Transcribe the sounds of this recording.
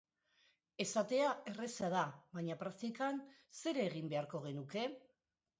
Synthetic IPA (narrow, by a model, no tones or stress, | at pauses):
e̞sat̪e̞ae̞resaðaβaɲapɾakt̪ikanse̞ɾeːɣ̞imbe̞aɾko̞ɣ̞e̞nuke̞